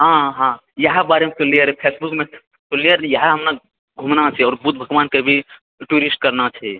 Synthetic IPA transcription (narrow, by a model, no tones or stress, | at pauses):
ɦãɦã | jəɦbaːɾemet̪olijəɾepʰeːsbukmẽ | t̪olijəɾjəɦaɦəmna | ɡʱumnat͡ʃʰɛɔːɾbut̪̚bʱəɡʋaːnkebʱi | ʈuɾisʈ̚kəɾnat͡ʃʰɛ